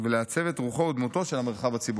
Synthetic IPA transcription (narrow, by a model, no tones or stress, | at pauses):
veleat͡se̞ve̞t̪ʁuχod̪mut̪o̞ʃe̞lame̞ʁχavat͡sibu